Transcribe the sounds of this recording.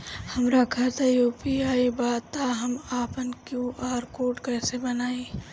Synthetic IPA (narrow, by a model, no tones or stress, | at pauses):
hɐmɾakʰɐɾt̪ajuːpiaːibaːt̪ːaɦɐmaːpənkjũʔaːɾkoːʈkɛːsebɐnaːiː